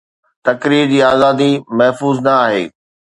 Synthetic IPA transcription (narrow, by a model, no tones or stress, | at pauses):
t̪ɐkɾiːɾd͡ʑiːaːzaːd̪imɐɦfuːznɐaːɦḛː